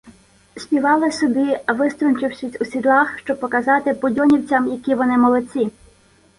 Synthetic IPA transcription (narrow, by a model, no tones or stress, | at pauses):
sʲpʲiʋɑlˠɪsɔbʲiɐʋɪst̪ɾɔnt͡ʃɪwsʲisʲusʲid̪lˠɑxʃt͡ʃɔb̚pɔkɐzɑt̪ɪpɔdʲɔnʲiwt͡sʲɐmjɐkʲiʋɔnɪmɔlˠɔt͡sʲi